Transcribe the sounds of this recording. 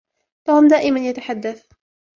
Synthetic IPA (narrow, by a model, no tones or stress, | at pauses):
fahʊmd̪aːʔɪmanjat̪aħad̪ːaθ